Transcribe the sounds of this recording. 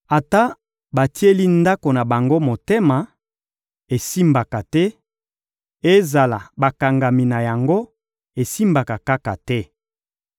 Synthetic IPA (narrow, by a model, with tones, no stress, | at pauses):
a˨ta˦ | ba˨ti˦e˦li˦nda˦ko˨na˨ba˨ŋɡo˦mo˨te˦ma˨ | e˨si˦mba˨ka˨tɛ˦ | e˦za˨la˨ba˨ka˨ŋɡa˨mi˨na˨ja˨ŋɡo˦ | e˨si˦mba˨ka˨ka˦ka˨tɛ˦